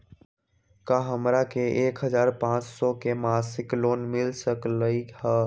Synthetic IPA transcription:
kaɦəmɾakeʔeːkɦəzaːɾpãt͡ʃsɔkemasɪkloːnmɪlsəkləihə

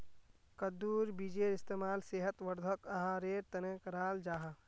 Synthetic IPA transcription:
kəd̪uːɾbid͡ʒeːɾɪst̪eːmaːlseːɦət̪ʋəɾd̪ʱəkɐɦãɾeːɾt̪ɐnẽkɐɾaːld͡ʒaːɦã

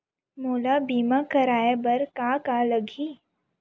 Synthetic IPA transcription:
moːlabiːmakɐɾaːjebɐɾkaːkaləɡʱiː

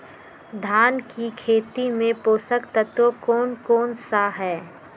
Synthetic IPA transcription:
d̪ʱaːnkikʰeːt̪imẽpoːsəkt̪ət̪wokɔːnkɔːnsaɦɛː

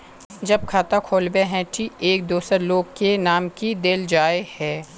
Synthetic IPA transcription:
d͡ʒɐb̚kʰaːt̪akʰoːlbeɦɛ̃ʈieːk̚d̪oːsəɾloːɡ̚kenaːmkid̪eld͡ʒaːehɛː

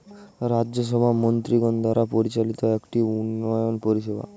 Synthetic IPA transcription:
ɾad͡ʒjɔsɔbʱamɔnt̪ɾiɡɔnd̪ʱwaɾapɔɾit͡ɕalit̪ɔekʈiunːɔjɔnpɔɾiʃeba̰

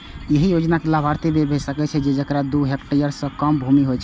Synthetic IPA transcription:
jeɦijod͡ʒnakelabʱaɾt̪ibebʱesəkɛt͡ʃʰɛd͡ʒed͡ʒəkɾad̪uɦekʈəɾijəɾssə̃kəmbʱumiɦojt͡ʃʰɛ

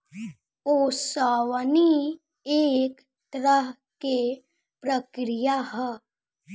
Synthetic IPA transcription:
osaːʋəni | eːk | t̪ɾəɦ | ke | pɾəkɾijaɦə

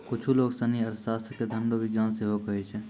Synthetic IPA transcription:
kʊt͡ʃʰuloːɡsəniɐɾsaːst̪ʰɾked̪ʱə̃ɳɖoʋɪɡjaːnseɦokɐɦet͡ʃʰɛː

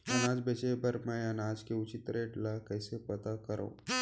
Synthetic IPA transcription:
ɐnaːd͡ʒbet͡ʃebəɾmɛ̃ənaːd͡ʒkeʊt͡ʃit̪ɾeʈlakəjsepɐt̪akəɾʔõ̰

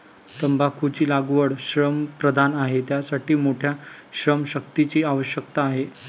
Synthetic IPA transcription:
t̪əmbʱakʰut͡ɕiːlaɡʋəɽɕɾəmpɾəd̪ʱanaɦet̪jasaʈʰiːmoʈʰjaɕɾəmɕək̚t̪it͡ɕiːaʋəɕjək̚t̪aːɦe

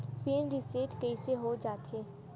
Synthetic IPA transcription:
peːnɾiseːʈkɐiseɦod͡ʒaːt̪eː

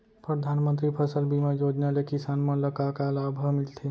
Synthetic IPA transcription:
pɾəd̪ʱanmənt̪ɾipʰəsəlbʱimẽjod͡ʒnalekisanmeləkakalabʱəmɪlt̪ʰe

